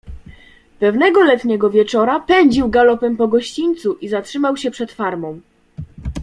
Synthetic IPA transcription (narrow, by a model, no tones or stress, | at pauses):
pɛvnɛɡɔlɛt̪ɲɛɡɔvʲjɛt͡ʂɔɾapɛɲd͡ʑiwɡalɔpɛmpɔɡɔɕt͡ɕiɲt̪suʔizatʂɘmawɕɛpʂɛt̪faɾmɔ̃w̃